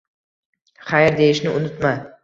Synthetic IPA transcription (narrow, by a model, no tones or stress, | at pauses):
χajɾd̪ejɪʃnɪʔʊnɪt̪ma